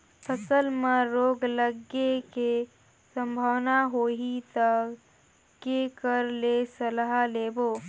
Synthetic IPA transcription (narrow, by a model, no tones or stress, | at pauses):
pʰəsəlmẽɾoːɡləɡeke | sə̃mbʱəwnaɦoːɦit̪ə | kekəɾlesəlɦaleːboː